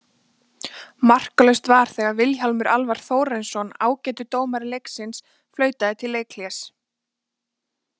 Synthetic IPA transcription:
mar̥klœɥst̪vaɾ̥θɛːɣaɾvɪlɦalmʏɾʔa̰lvaɾ̥θoːwɾɛnsɔna̰ːwcɛːt̪ʏt̪oːwmaɾleksɪns | flœːɥt̪aðɪt̪ʰɪlːeːjkʰljɛs

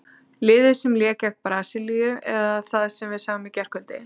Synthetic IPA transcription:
lɪːðɪsɛmljɛːkɛh̚pɾaːsɪlijʏɛðaθaðsɛmvɪðsaːvamɪcɛr̥kʰœlt̪ɪ̰

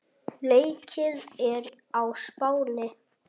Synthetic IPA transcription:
leːjcʰɪðɛɾ | awspaːwlɪ

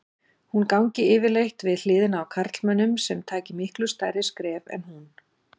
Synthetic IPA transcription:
hunkawɲcɪɪːvɪlejht̪vɪðl̥ɪːðɪnawkʰaɾ̥t̪lmœnːʏmsɛmt̪ʰaːcɪmɪhklʏst̪aːjɾɪskɾɛːvɛ̰nhun

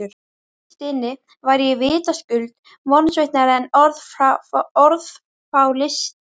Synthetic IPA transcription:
ʏɾ | st̪ɪnːɪ | vajɾjɛvɪːt̪ascʏlt̪ | mɔnsvejht̪naɾɛnɔɾð | ɔɾð | fawlɪst̪

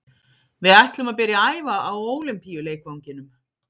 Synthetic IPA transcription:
vɪðɛht̪lʏmaðp̬ɛːɾjɪaːjvaawoːwlɪmpijʏleːjkowɲcɪnʏm

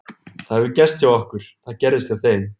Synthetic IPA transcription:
θaðɛvɪcɛst̪θjawɔhkʏɾ̥θaðcɛɾðɪst̪iaθejm

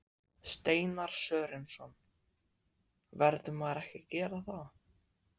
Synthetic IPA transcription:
st̪eːjnaɾ̥sœːɾɪnsɔn | vɛɾðʏmaðɾɛhcɪcɛːɾaθaw

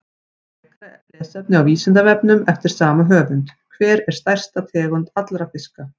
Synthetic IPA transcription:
ɛ | ɾkɾa | lɛːsɛp̚nɪawviːsɪnt̪avɛpnʏmɛft̪ɪɾ̥saːmaɦœːvʏnt̪kʰvɛːɾɛɾ̥st̪ajr̥st̪at̪ʰɛːɣʏnt̪at̪lɾafɪska

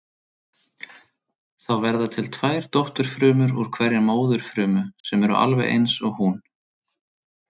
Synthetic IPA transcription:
θawvɛɾðat̪ʰɪlt̪ʰvaːjɾt̪ɔht̪ʏɾ̥fɾʏːmʏɾuɾ̥kʰvɛɾɪmoːwðʏɾ̥fɾʏːmʏsɛmɛɾʏ̰ʔa̰lvɛ̰jʔḛjnsɔɣhun

